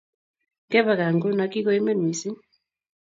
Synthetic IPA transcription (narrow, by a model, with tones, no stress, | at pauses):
ŋɡɛ˦βa˨ɣa˨ŋɡo˦na˨ki˦ɣo˨˦i˦me˦n˨i˨si˦n